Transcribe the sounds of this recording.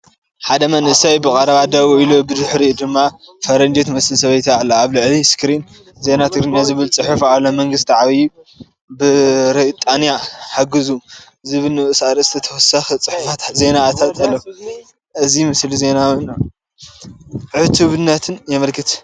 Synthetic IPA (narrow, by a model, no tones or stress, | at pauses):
ħad̪ɐmɐnʔɨsajbɨkʼɐɾɐβad̪ɐβuʔilobɨd̪ɨħɾid̪ɨmːafɐɾɐnd͡ʒet̪mɐsɨlsɐβɐjt̪ʰalːaaβlɨʕliskʰɨɾin | ze̞nat̪ʰɨɡɾinjazɨβɨlt͡sʼɨħɨfalːomɐŋɡɨst̪ʰiʕaβji | bɨɾɐt̪ʼanjaħaɡɨzuɨziβɨlnɨʔɨsaɾsɨ̥t̪ʰɐt̪ʰɐwɔsɐxt͡sʼɨħufat̪ze̞nat̪ʰat̪ɐlːɐ | ʔɨzimɨslize̞nawna | ʕɨt̪ʰuβɨnːɐt̪ʰɨnjɛmɐlkʰɨt̪